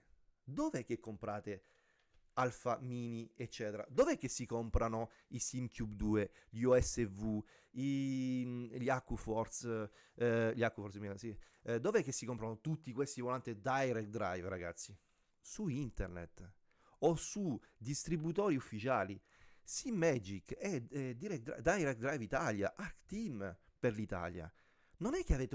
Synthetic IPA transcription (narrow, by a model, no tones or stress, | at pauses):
d̪oveɛk̟ːekːompɾaːt̪e | alfamiːniet͡ʃːɛːt̪eɾa̰d̪oveɛkːesːikompɾano | isimkjubd̪uːeʎuɛsːevu | i | ʎiakːufɔrt̪s | ʎiakːifɔɾt̪sminsi | d̪ovɛkːesːikɔmpɾanot̪ut̪ːikwest̪ivolant̪ed̪ajɾɛk̚d̪ɾa̰jvɾaɡa̰t̪sːi | suint̪ernḛt̪ | osud̪ist̪ɾibut̪ɔːɾiufːit͡ʃaːli | simːɛd͡ʒikɛɛd̪iɾɛkd̪ɾa̰d̪ajɾɛk̚d̪ɾajvit̪alja̰ʔaɾkt̪im | peɾlit̪a̰lja̰ | nonɛkːeaveːt̪e